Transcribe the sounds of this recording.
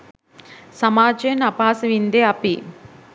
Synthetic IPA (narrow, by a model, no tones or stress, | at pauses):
sɐmaːt͡ʃeːnɐpaːsɐʋind̪eɐpi